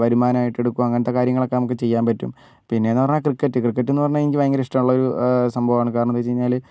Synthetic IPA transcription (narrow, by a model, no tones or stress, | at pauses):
ʋɐɾumaːnɐaːjiʈːe̞ɽukːuʋɐɐŋːɐnɐt̪ːekaːɾjɐŋːɐɭo̞kːenɐmukːe̞t͡ɕe̞jːaːmpɐtːṵm | pinːe̞ːnːɨpɐrɐɲːaːkrikːɐtːɨkrikːɐt̬ːenːɨpɐrɐɲːaenikʲːiʋɐjɐŋɡɐɾɐiʂʈɐmuɭːɐoɾusɐmbʱɐʋaːɳɨkaːɾɐɳut̪ːet͡ɕejiɲːaːl